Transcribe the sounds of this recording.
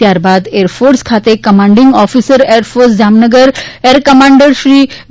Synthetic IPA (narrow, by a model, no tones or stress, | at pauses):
jaɾbad̪eɾfoɾskʰat̪ekəmãɳɖiŋɡɔfisəɾeɾfoɾsd͡ʑamnəɡəɾeɾkəmãɳɖəɾɕɾiː